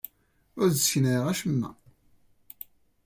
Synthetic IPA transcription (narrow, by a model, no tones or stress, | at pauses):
ʊɾðçnəʁæʃəmːæ̰